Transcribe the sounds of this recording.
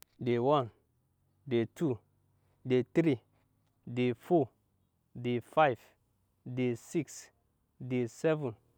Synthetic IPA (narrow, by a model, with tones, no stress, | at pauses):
de˨wã˦n | de˨tʰu˦ | de˨t̪ɾi˦ | de˨fɔ | de˨fajv | de˨si˦ks | de˨sɛ˦vũ˨n